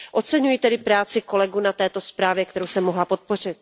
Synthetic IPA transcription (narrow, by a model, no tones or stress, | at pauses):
ʔo̞t͡sɛɲujit̪ɛdɪpɾaːt͡sɪko̞lɛɡunat̪ɛːt̪o̞spɾaːvjɛk̚t̪ɛɾowsɛmːoɦlapo̞t̪̚po̞r̝ɪt̪̚